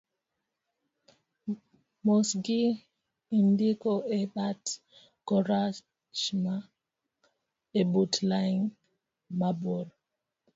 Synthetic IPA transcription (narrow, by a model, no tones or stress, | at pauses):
mosɡi | indikɔɛɓat | kɔɾa | t͡ʃma | ɛbutlajn | mabɔl